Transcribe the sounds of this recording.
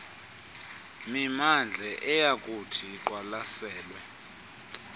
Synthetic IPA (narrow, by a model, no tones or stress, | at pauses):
mimand͡ɮʱɛʔɛjakʼutʰiːǃwalasɛːlwɛ